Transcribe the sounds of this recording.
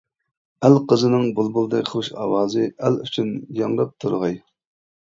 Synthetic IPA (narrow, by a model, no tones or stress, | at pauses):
ælqʰəzɨnɨŋbulˠbulˠd̪ɛkʲχʰəɨʃɑ̰ːwɑːzɨæly̰t͡ʃʰynjɑŋɾɑp̚t̪ʰuɾʁɑj